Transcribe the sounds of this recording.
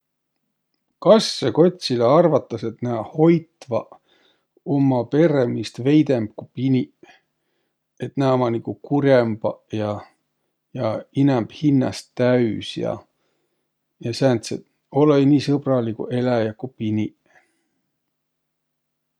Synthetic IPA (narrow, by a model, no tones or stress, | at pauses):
kɑsːeko̞t̪ʲsileɑrvɑt̪ːˑɑse̞t̪næho̞jt̪vɑ | omːɑpe̞ɾemist̪ve̞jd̪̥e̞mb̥̚kupinʲi | et̪næːmɑnikukuɾjemb̥ɑjɑ | jɑinɛmb̥hinːɑ̰st̪æysjɑ̰ | jɑsænt̪sḛt̪ | o̞lejniːsɤbrɑlikṵʔe̞læjɑkupinʲi